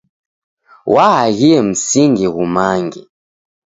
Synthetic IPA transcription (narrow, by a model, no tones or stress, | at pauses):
wʔaaɣiɛm̩siŋɡɛɣumaŋɡɛ